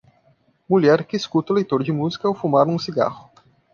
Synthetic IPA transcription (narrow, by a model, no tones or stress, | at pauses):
muʎɛɾkɪskut̪ɐʊlejt̪oɾd͡ʒɪmuzikɐːwfumaɾũsiɡa̰hʊ